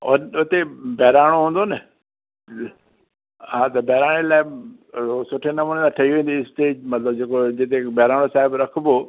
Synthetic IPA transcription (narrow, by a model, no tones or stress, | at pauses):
ʊnʊt̪ebɛːɾaːɽ̃oɦũːn̆d̪onɪ | ɦãːt̪ɐbɛːɾaːɽ̃elaːɪ | osʊʈʰenɐmuːned̪ãʈʰɐɦiʋẽːn̆d̪iɪsʈeːd͡ʑmɐt̪ləb̚d͡ʑeːkod͡ʑɪt̪ebɛːɾaːɽ̃osaːɦɪbɾɐkʰbo